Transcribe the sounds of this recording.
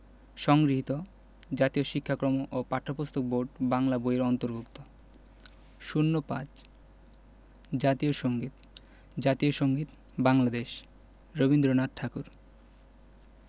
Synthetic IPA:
ʃɔŋɡɾiɦit̪o | d͡ʑat̪ioʃikʰːakɾomoʔopaʈʰːopost̪ʰok̚boɾɖbaŋlaboeɾɔnt̪oɾbukt̪o | ʃunːopã̰d͡ʑ | d͡ʑat̪ioʃoŋɡit̪ | d͡ʑat̪ioʃoŋɡit̪ | baŋlad̪eʃ | ɾobind̪ɾonat̪̚ʈʰakuɾ

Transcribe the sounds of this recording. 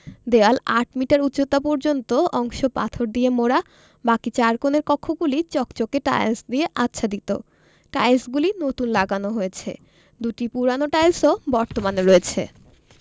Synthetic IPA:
d̪ealaʈ̚miʈaɾut̪ːɕot̪apɔɾd͡ʑont̪oɔŋʃopa̰t̪ʰoɾd̪iemoɾa | bakit͡ɕaɾkoneɾkɔkʰːoɡulit͡ɕɔkt͡ɕokeʈa̰jsd̪ieʔatːɕʰad̪it̪o̰ | ʈajsɡulinot̪unlaɡanoɦoet͡ɕʰḛ | d̪uʈipuɾanoʈajlsobɔɾt̪omaneɾoet͡ɕʰḛ

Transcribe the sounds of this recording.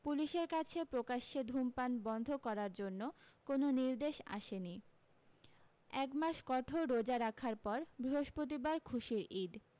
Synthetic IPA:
puliʃeɾkat͡ɕʰepɾokaʃːed̪ʱumpanbɔnd̪ʱokɔɾaɾd͡ʑonːokononiɾd̪eʃa̰ʃeni | ɛkmaʃkɔʈʰoɾod͡ʑaɾakʰaɾpɔɾbɾiɦoʃpot̪̬ibaɾkʰuʃiɾid̪

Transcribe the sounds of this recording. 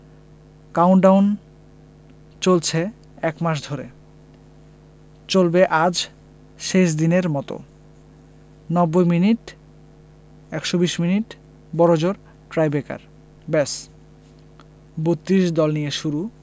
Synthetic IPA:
kawɳʈɖawn | t͡ɕolt͡ɕʰe | ɛkmaʃ̬d̪ʱoɾe | t͡ɕolbeʔad͡ʑ | ʃeʃ̬d̪ineɾmɔt̪o̰ | nɔbːojminiʈ | ɛkʃobiʃminiʈ | bɔɾod͡ʑoɾ | ʈɾajbeka̰ɾ | bes | bot̪ːɾiʃd̪ɔlnijeʃuɾu

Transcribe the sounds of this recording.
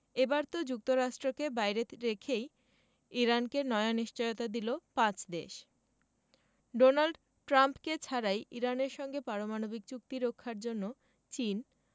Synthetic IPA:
ebaɾt̪od͡ʑuk̚t̪oɾaʃʈɾokebajɾeɾekʰej | iɾankenɔeaniʃt͡ɕojot̪ad̪ilopãt͡ɕd̪eʃ | ɖonalɖ | ʈɾampket͡ɕʰaɾajʔiɾaneɾʃɔŋɡepaɾomanobik̚t͡ɕuk̚t̪iɾokʰːaɾd͡ʑonːo | t͡ɕin

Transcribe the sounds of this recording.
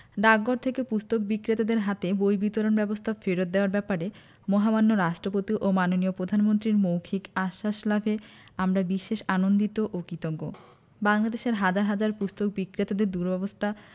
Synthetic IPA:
ɖaɡːoɾt̪ʰekepust̪ok̚bikːɾet̪ad̪eɾɦat̪ebojbit̪oɾonbɛbost̪ʰafeɾot̪̚d̪eoaɾbɛpaɾe | mɔɦamanːoɾaʃʈɾopot̪iʔomanoniopɾod̪ʱanmont̪ɾiɾmowkʰikaʃːaʃlabʱeamɾabiʃeʃanond̪it̪oʔokit̪oɡːo | baŋlad̪eʃeɾɦad͡ʑaɾɦad͡ʑaɾpust̪ok̚bikːɾet̪ad̪eɾd̪uɾbɛbost̪ʰa

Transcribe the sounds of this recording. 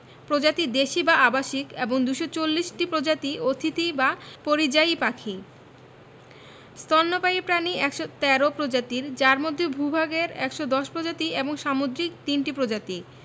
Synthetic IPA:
pɾod͡ʑat̪id̪eʃibaabaʃikeboŋd̪uʃot͡ɕolːiʃʈipɾod͡ʑat̪iot̪ʰit̪ibapoɾid͡ʑajpakʰi | st̪ɔnːopajepɾaniɛkʃot̪ɛɾopɾod͡ʑat̪iɾd͡ʑaɾmod̪ʱːebʱubʱaɡeɾɛkʃod̪ɔʃpɾod͡ʑat̪ieboŋʃamod̪ɾik̚t̪inʈipɾod͡ʑat̪i

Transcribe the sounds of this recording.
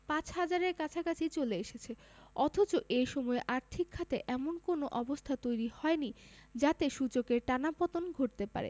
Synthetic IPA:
pãt͡ɕhad͡ʑaɾeɾkat͡ɕʰakat͡ɕʰit͡ɕoleeʃet͡ɕʰe | ɔt̪ʰot͡ɕoʔeʃɔmɔeʔaɾt̪ʰikʰːat̪eʔɛmonkonoʔɔbost̪ʰat̪ojɾihɔenid͡ʑat̪eʃut͡ɕokeɾʈanapɔt̪onɡʱoʈ̚t̪epa̰ɾḛ

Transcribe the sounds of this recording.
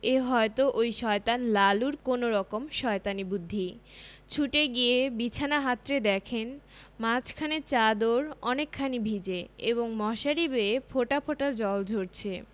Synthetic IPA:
eɦɔet̪oʔojʃɔet̪anlaluɾkonoɾɔkomʃɔet̪anibud̪ʱːit͡ɕʰuʈeɡiebit͡ɕʰanaɦat̪ːɾed̪ɛkʰen | mat͡ɕʰkʰanet͡ɕad̪oɾɔnekʰːanibʱid͡ʑeeboŋmɔʃaɾibeefʰoʈapʰoʈaɾd͡ʑɔld͡ʑʱoɾt͡ɕʰe

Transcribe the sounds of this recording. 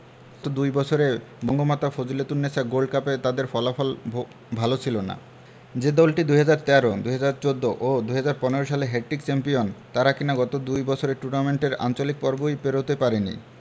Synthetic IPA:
t̪od̪ujbɔt͡ɕʰoɾebɔŋɡomat̪afod͡ʑulet̪unːesʰaɡolɖ̚kapet̪ad̪eɾfɔlafɔl | bʱalot͡ɕʰilona̰ | d͡ʑed̪ɔlʈid̪uɦad͡ʑaɾt̪ɛɾod̪uɦad͡ʑaɾt͡ɕod̪ːoʔod̪ujɦad͡ʑaɾpɔneɾoʃaleɦɛʈːikt͡ɕɛmpijont̪aɾakinaɡɔt̪od̪ujbɔt͡ɕʰoɾeʈunameɳʈeɾa̰nt͡ɕolik̚pɔɾbojpeɾot̪epaɾenḭ

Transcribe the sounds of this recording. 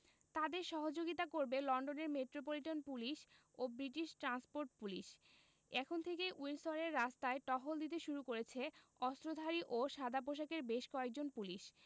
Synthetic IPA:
t̪ad̪eɾʃɔɦod͡ʑoɡit̪akoɾbelɔnɖoneɾmeʈɾop̬oliʈonpuliʃ | obɾiʈiʃʈɾanspoɾʈpuliʃ | ɛkʰont̪ʰekejʔuinsoɾeɾːast̪aeʈɔɦold̪it̪̬eʃuɾukoɾet͡ɕʰeɔst̪ɾod̪ʱaɾiʔoʃad̪ʱap̬oʃ̬akeɾbeʃkɔek̚d͡ʑonpuliʃ

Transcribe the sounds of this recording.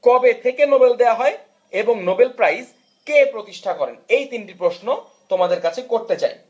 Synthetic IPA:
kɔbet̪ʰekenobeld̪eaɦɔe | eboŋnobelpɾajs | kepɾot̪iʃʈʰakɔɾḛnejt̪inʈipɾoʃno | t̪omad̪eɾkat͡ɕʰekoɾt̪et͡ɕa̰e

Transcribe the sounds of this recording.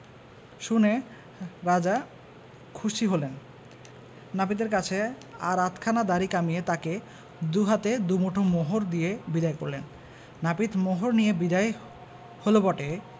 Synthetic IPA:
ʃune | ɾad͡ʑa | kʰuʃiɦolen | apit̪eɾkat͡ɕʰe | a̰ɾat̪ʰkʰanad̪aɾikamijet̪ake | d̪uɦat̪ed̪umoʈʰomoɦoɾd̪ijebid̪ajko̰ɾlḛnː | apit̪moɦoɾnijebid̪aj | holobɔʈe

